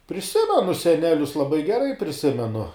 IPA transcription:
pʲrʲɪˈsʲɪmʲɛnʊ sʲɛˈnʲæːlʲʊs lˠɐˈbɐɪ ɡʲɛˈrɐɪ pʲrʲɪˈsʲɪmʲɛnʊ

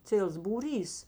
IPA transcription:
ˈt͡sʲiɛlˠs buːˈrʲiːs

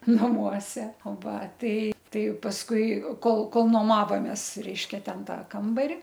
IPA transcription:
nɐˈmuɔsʲɛ oː ˈʋɐ ˈtɐɪ ˈtɐɪ pɐsˈkʊɪ ˈkoːlˠ ˈkoːlˠ noːˈmɑːʋoːmʲeːs ˈrʲɛɪʃʲkʲɛ ˈtʲɛn ˈtɑː ˈkɐmbɐrʲɪ

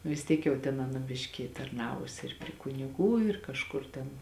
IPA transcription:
nʊ ʋʲɪs ˈtʲiɛk jɛʊ tʲɛn ˈɑːnɐ ˈbʲɪʃʲkʲɪ tɐrˈnɑːʋʊsʲɪ ɪr pʲrʲɪ kʊnʲɪˈɡuː ɪr kɐʃˈkʊr tʲɛn

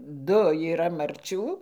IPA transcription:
ˈdʊ iːˈrɐ mɐrʲˈt͡ʃʲuː

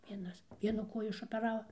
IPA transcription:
ˈʋʲiɛnɐs ˈʋʲiɛnʊ ˈkoːjʊ ɪʃoːpʲɛˈrɑːʋɐ

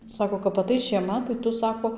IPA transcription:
ˈsɑːkoː kɐp ɐˈtɐɪs ʒʲiɛˈmɐ tɐɪ ˈtʊ ˈsɑːkoː

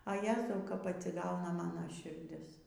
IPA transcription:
ɐ ˈjæːzɐʊ kɐp ɐtʲsʲɪˈɡɐʊnɐ ˈmɑːnoː ʃʲɪrʲˈdʲɪs

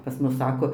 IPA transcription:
pɐs ˈmʊs ˈsɑːkoː

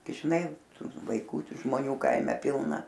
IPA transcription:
ɡʲɪ ʒʲɪˈnɐɪ ˈtuː ʋɐɪˈkuː ˈtuː ʒmoːˈnʲuː ˈkɐɪmʲɛ ˈpʲɪlˠnɐ

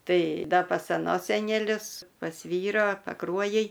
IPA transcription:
ˈtɐɪ ˈdɐ pɐs ɐˈnoːs sʲɛnʲɛˈlʲʊs pɐs ˈʋʲiːroː pɐˈkruɔjɪj

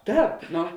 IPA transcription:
ˈtɑːp ˈnoː

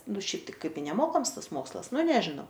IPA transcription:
ˈnʊ ˈʃʲɛɪp tɐɪ ˈkɐɪp ɪ nʲɛˈmoːkɐms ˈtɐs ˈmoːkslˠɐs ˈnʊ ˈnʲæːʒʲɪnɐʊ

